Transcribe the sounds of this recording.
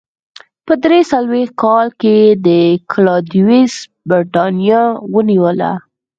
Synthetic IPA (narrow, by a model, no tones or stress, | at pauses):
pəd̪ɾesalwext̪̚kɑlked̪əkʰlɑd̪iwis | bəɾʈɑnjɑwəniwəla̰